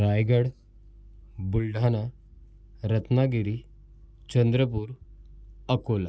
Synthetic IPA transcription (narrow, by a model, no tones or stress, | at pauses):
ɾaːjɡəɽ | bʊlɖʱaːna | ɾɐt̪naɡiɾi | t͡ʃənd̪ɾəp̬uːɾ | əkoːla